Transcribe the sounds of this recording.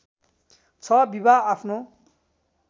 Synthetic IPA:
t͡sʰʌbibaapʰno

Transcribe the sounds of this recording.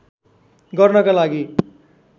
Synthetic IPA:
ɡʌrnʌkalaɡi

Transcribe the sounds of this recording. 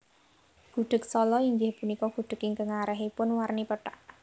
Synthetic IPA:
ɡ̥ṳɖ̥ə̤k̚sɔlɔiŋɡɪhpunikɔɡ̥ṳɖ̥ə̤kɪŋkəŋaɾəɦipʊnwarnipəʈaʔ

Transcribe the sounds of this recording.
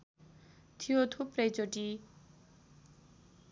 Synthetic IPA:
t̪ʰijot̪ʰuprʌjt͡soʈi

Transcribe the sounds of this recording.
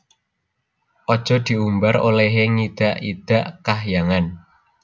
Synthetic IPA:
ʔɔd̥ʒ̥ɔ̤d̪̥i̤umbaɾo̰lɛɦeŋid̪̥a̤ʔid̪̥a̤ʔkahjaŋan

